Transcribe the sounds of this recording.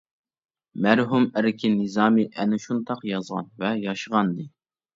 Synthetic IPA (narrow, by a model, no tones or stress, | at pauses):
mæɾɦumæɾɪkʲʰinɨzɑːmiʔɛnɪʃunt̪ɑqjɑzʁɑ̰nvɛjɑʃəʁɑnd̪ɨ